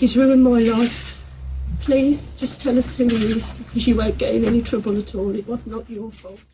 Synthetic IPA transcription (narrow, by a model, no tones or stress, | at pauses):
ɡ̥ɪzɹəɪ̃nmaɪlaɪf | pʰl̥iːz̥d͡ʒʌstʰɛlʌshʉðisɪkʰʌzjəwə̃ʊ̃nɡ̥ɛtɪ̰̃ŋɛnitʰɹ̥ʌbələtʰɔːlɪʔwɒznət͡ʃəfɔʊlˠt